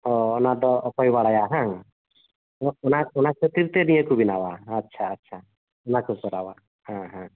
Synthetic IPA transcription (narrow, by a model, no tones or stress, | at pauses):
ɔɔnad̪ɔɔpɔjbaɽajaɦãŋ | ɔɔnaɔnakʰɔt̪iɾt̪ɛnĩjəkubinawaːtːʃʰaːtːt͡ʃʰa | ɔnakʰukɔɾawa̰ | hãɦã